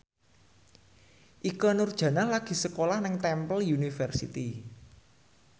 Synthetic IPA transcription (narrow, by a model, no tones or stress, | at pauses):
ʔikɔnurd̥ʒ̥ä̤nahlaɡ̥i̤səkolahnɪŋt̪ɛmpəljunifərsḭt̪i